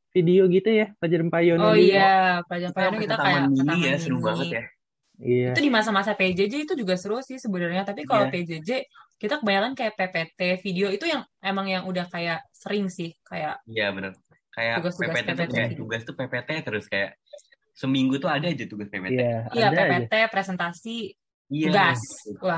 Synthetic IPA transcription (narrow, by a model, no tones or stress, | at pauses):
fidioɡit̪ujaplad͡ʒəɾmpajɔnoijaplad͡ʒaɾmpajonɔkitt̪aajamilaijasəɾubaŋəja | ijait̪udimas̬amasaped͡ʒed͡ʒeit̪ud͡ʒuɡast̪əɾʊsɪhsəbənərɲat̪apikaloped͡ʒed͡ʒekit̪akəbajaɾankajaʔpepet̪efidioit̪ujaŋemaŋjaŋudahkajaʔsəɾɪŋsɪhkajaʔijabənər | kajauɡast̪uɡaset̪ɛpetaat̪uɡast̪upepet̪et̪əɾʊskaja̰ʔ | səmiŋɡut̪uadaːd͡ʒat̪uɡaspepḛt̪ɛijapepet̪epɾesɛnt̪asi | ijaɡasla